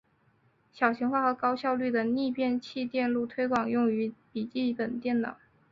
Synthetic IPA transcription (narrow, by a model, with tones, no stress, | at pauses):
ɕjɑ˨˩ʊɕi˧˥ŋxwa˥˩xɤ˧˥kɑ˥ʊɕjɑ˥˧ʊly˥˩d̪ə˩ni˥˧pjɛ˥˧nt͡ɕʰi˥˧t̪jɛ˥˧nlu˥˩t̪ʰwe˥ɪkwɑ˨˩ŋjʊ˥˩ŋy˧˥pi˨˩t͡ɕi˥˩pə˨˩nt̪jɛ˥˩nnɑ̰˨˩˦